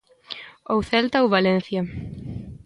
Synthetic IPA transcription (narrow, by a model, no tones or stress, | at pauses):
owθelt̪awβalẽn̟θja